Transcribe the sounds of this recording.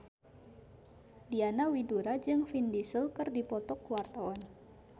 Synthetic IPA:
dianawiduɾad͡ʒɨŋfindisəlkɨrdipɔt̪ɔkəwart̪awan

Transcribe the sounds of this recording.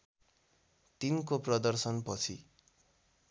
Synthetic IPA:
t̪inkoprʌd̪ʌrsʌnpʌt͡sʰi

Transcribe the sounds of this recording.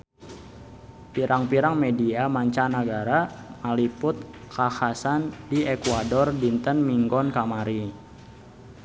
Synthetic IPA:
piɾaŋpiɾaŋmediamaɲt͡ʃanaɡaɾamalipʊt̪̚kʰahasandiɛkwadɔrdint̪ənmiŋɡɔnkamaɾi

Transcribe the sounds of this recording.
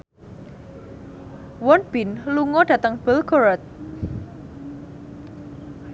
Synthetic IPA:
wɔnb̥inluŋɔɖ̥ä̤t̪əŋb̥əlɡɔɾɔt̪̚

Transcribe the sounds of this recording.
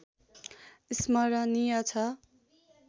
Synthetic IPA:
ismʌɾʌniʌt͡sʰʌ

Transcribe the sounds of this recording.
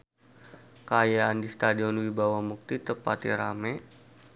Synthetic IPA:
kajaandist̪adiɔnwibawamuk̚t̪it̪əpat̪ḭɾamɛ

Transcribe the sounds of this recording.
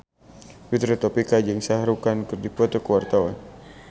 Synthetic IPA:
wit̪ɾɛt̪ɔpikad͡ʒaŋsaɦɾukankɨrdikɔt̪ɔkəwart̪awan

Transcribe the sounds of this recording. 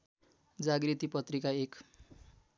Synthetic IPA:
d͡zaɡrit̪ipʌt̪rikaek

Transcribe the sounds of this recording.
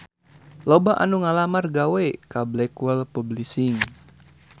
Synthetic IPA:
lobaʔa̰nuŋalamarɡawekablɛkwəlpublisiŋ

